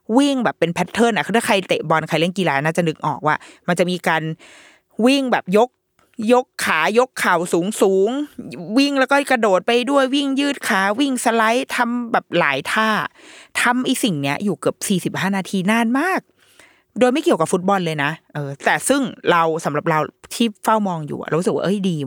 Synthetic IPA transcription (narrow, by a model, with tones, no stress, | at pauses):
wi˥˩ŋbɛː˨˩pːe˧npʰɛ˦˥t̪ʰːɤː˥˩nʔa˧˩xʰa˥˩kʰa˧jt̪e˨˩bɔ˧nkʰa˧jlɛ˥˩ə˨ŋkiː˧laː˨˦naː˥˩t͡ɕa˨˩nɯ˨˩k̚ʔɔ̰ː˨˩k̚waː˥˩ma˧nt͡ɕa˨˩ʔmiː˧kaː˧n | wi˥˩ŋbɛː˨˩p̚jo˦˥k̚ | jo˦˥kʰːaː˩˦jo˦˥kʰːaː˨˩wsuː˩˦ŋsuː˩˦ŋwi˥˩ŋlɛ˦˥wkɔː˥kɾa˧doː˨˩t̪̚pa˧jdu˥˩əjwi˥˩ŋjɯː˥˩t̪̚kʰaː˨˩˦wi˥˩ŋsa˧la˦˥jt̪ʰa˧mbɛː˨˩p̚la̰ː˩˦jt̪ʰaː˥˩t̪ʰa˧mʔiː˧si˨˩ŋni˦˥ɐjuː˨˩kɯ˨˩əp̚siː˨˩si˨˩p̚ɦaː˥˩naː˧t̪ʰiː˧naː˥˩˨nmaː˥˩k̚ | doː˧jma˥˩jki˨˩əwka˨˩pfu˦˥t̪̚bɔ˧nlɤː˧jna˦˥ʔɤː˧t̪ɛː˨˩sɯ˥˩ŋɾa˧wsa˩˦mɾa˨˩p̚ɾa˧wt̪ʰiː˥˩fa˥˩wmɔː˧ŋjṵː˨˩ʔa̰˨˩ɾa˧˦˥skwa̰ː˥ʔɤ˧˥˩jdiː˧